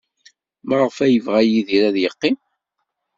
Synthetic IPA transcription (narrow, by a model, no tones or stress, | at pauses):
məʁfæjəvʁæjiðiɾæðjəqːim